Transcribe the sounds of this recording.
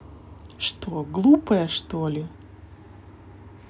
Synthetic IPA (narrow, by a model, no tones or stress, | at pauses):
ʂt̪oɡlˠupəjəʂt̪olʲɪ